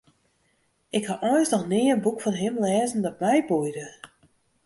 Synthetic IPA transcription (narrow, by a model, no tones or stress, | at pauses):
ɪkhaʔɔjsnɔxnɪːənbukfɔnɦɪmlɛːzən̩dɔt̚mɛjbujdə